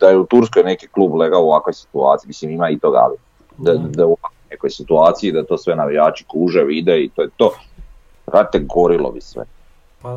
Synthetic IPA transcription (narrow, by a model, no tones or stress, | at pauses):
d̪ajeut̪uɾskojnekikluːbleɡaoʋakojsi̥t̪ua̰ːt̪imisimimait̪oɡa̰li | d̪ad̪auakonekojsit̪uaːt̪sijid̪at̪o̞ːsʋe̞naʋijaːt͡ʃi̥kuːʒeʋid̪eit̪oːjet̪oː | ɾad̪it̪eɡo̞ɾilo̰bisʋḛ